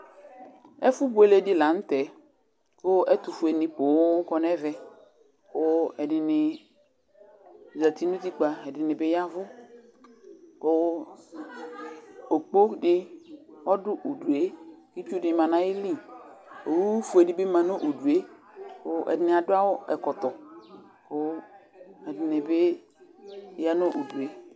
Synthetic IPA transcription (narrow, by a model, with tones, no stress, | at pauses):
ɛ̰˦fʊ˦bʊ˦e˨le˦dɪ˦la˨n̩˦t̪ɛ˨ | wo˦ɛ˦t̪ʊ˨fʊ˨e˨nɪ̃˨po˨wo˦kɔ˦nɛ˦vɛ˦ | wo˦ɛ˨dɪ˨nɪ˨ | za˨t̪i˦nũ˦t̪i˦k͡pa˨ɛ˨dɪ˨nɪ̃˨be˦ja˦vʊ˦ | o˦ | o˨k͡po˦dɪ˦ɔ˦dʊ˦ʔu˨du˨e˦ki˦t͡ʃu˦dɪ˨mã˨nã˨jɪ˦li˦˨o˨wu˦fu˨e˨dɪ˦be˦mã˨no˦ʔu˨du˨e˦ | o˦ɛ̰˨dɪ˨nɪ˨a˨dʊ˦a˦wʊ˦ɛ̰˨kɔ˨t̪ɔ˨ | ʊ˦ | ɛ˨dɪ˨nɪ˨be˦ | ja˦no˦ʔu˨du˨e˦